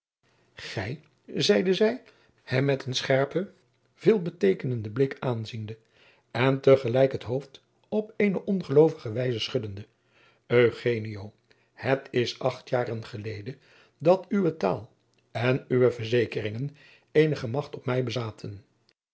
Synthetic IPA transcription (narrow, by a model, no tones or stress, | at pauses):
χɛj | zɛjdəzɛj | hɛmːɛtənsχɛɹpə | v̥ɪːlˠbətejkənəndəblɪkaːnzində | ɛntəχəlɛjkɦətɦowft | ɔpejnəʔɔnχəlowvəχəʋɛjzəsχʏdəndə | øχejniow | hətɪsɑχtjaːrənχəlejdə | dɑtyʋəta̰ːlˠ | ɛnyʋəvəɹzejkərɪŋən | ejnəχəmɑχtɔpmɛjbəzaːtʰən